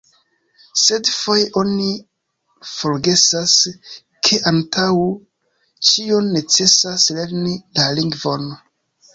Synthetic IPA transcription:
se̞dfo̞jeʔo̞ni | fo̞ɾɡe̞sas | kʰe̞ʔantʰaw | t͡ʃionːe̞t͡se̞sasle̞ɾnilaliŋɡvo̞n

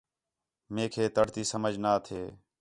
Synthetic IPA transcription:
meːkʰeːt̪əɽt̪iːsəməd͡ʒʱnaːt̪ʰeː

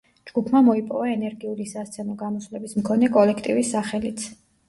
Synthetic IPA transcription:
d͡ʒɡ̥upʰmamɔipʼɔvaɛnɛɾɡiulisast̪sʰɛnɔɡamɔswvlɛbismkʰɔnɛkʼɔlɛkʰt̪ʼivisːaχɛlit̪sʰ

